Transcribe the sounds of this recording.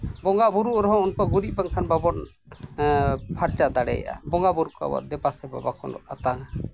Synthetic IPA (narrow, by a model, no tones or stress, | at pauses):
bɔŋɡabuɾuʔɾɔɦɔ̃unkɔɡuɾiʔ̚baŋkʰanbabɔn | pʰaɾt͡ʃad̪aɽɛ̰ja̰ʔa̰bɔŋɡabuɾukɔa̰wa̰ʔd̪ɛbasɛba̰bakʰɔnlɔ̰ʔat̪aŋ